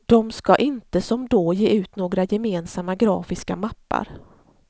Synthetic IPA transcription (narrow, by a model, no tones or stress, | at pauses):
d̪̥ɔmskaʔɪnt̪əsɔmd̪ɔjeːʉ̟ːt̪noːɡɾajɛmeːnsamːaɡɾɑːfɪskamapːa̰ɾ